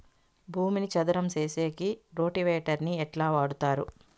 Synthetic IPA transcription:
bʱuːminit͡ʃɐd̪uɾɐmt͡ʃeːseːkiɾo̞ːʈiʋeːʈɐɾniɛʈlaːʋaːɽut̪aːɾṵ

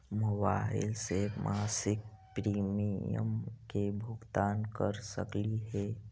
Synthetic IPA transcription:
mʊbaːɪ̰lsemʔaːsɪk̚pɾiːmijə̰mkebʱʊɡt̪aːnkəɾsə̰kliɦɛː

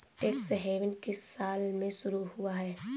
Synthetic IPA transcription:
ʈeːksɦeːʋɪnkɪsaːlmẽʃʊɾuhuaɦɛː

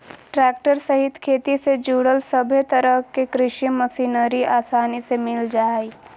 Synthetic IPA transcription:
ʈɾɛːk̚ʈəɾsəɦɪt̪kʰeːt̪ised͡ʒuːɽəlsəbʱet̪əɾəɦkekɾɪʃiməsiːnəɾiʔaːsaːnisemɪld͡ʒaːiː

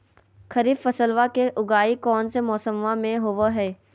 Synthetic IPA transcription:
kʰəɾiːbfəsəlʋakeʔʊɡaːikɔːnsemɔːsəmʋãmẽɦoʋaɦɛː

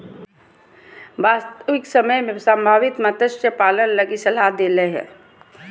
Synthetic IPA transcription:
ʋaːst̪əʋɪksəməjmẽsə̃mbʱaːʋɪt̪mət̪əʃʈjəpaːlənləɡisəlad̪eːləɦɛ̰ː

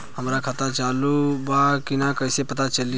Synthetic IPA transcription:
ɦəmɾakʰət̪at͡ʃaːlubakɪnakəɪsepət̪at͡ʃəli

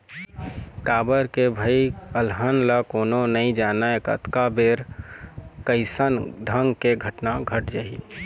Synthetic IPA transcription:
kaːbəɾkebʱəiəlɦənlakoːnonəĩd͡ʒaːnaekə̰t̪kabeɾ | kəɪsənɖʱə̃ŋɡkeɡʱəʈnaɡʱəʈd͡ʒaːḭ

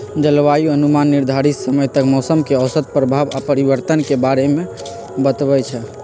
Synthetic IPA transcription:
d͡ʒəlʋajuənumanːiɾd̪ʱaɾit̪səməjt̪əkmɔsəmkeəʊsət̪̚pɾəbʱaʋapəɾibəɾt̪ənkebaɾeme | bət̪bɛt͡ʃʰɛ

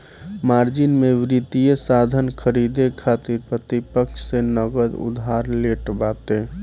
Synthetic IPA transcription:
maɾd͡ʒinmeʋɾit̪ijesad̪ʱənkʰəɾid̪ekʰat̪iɾpɾət̪ipəkʃsenəɡəd̪ṵd̪ʱaɾleʈbat̪e

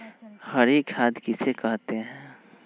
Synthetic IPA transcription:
həɾikʰaːd̪ʱkisekəɦt̪eɦɛ̃

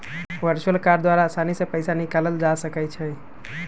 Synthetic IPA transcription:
ʋəɾt͡ʃuəlkaɾd̪waɾasanisẽpəɪsanikaləld͡ʒasəkət͡ʃʰɛ

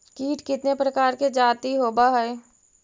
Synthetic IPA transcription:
kiːʈkɪt̪nepɾəkaːɾked͡ʒaːt̪iɦoːbaɦɛː

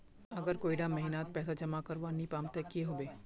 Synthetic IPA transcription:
ɐɡəɾkoːiɖamɐɦinaːt̪̚pɛːsad͡ʒɐmakɐɾʋanipaːmt̪ekːieɦoːbeː

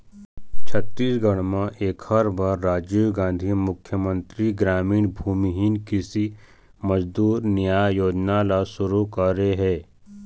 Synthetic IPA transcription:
t͡ʃʰət̪ːiːsɡɐɽ̃mãʔeːkhɐɾbʱaɾːaːd͡ʒiɡãːnd̪ʱimʊkʰːjəmə̃nt̪ɾiɡɾaːmiːɽ̃bʱuːmiɦiːnkɪsi | məd͡ʒd̪uːɾnɪjaːjoːd͡ʒnalasʊɾukɐɾeɦɛː

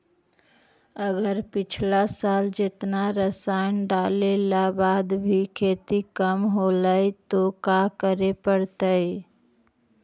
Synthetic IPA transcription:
əɡəɾpɪt͡ʃʰlasald͡ʒet̪naɾəsanɖalelabad̪bʱikʰet̪ikəmɦoləjt̪okakəɾepəɽt̪əj

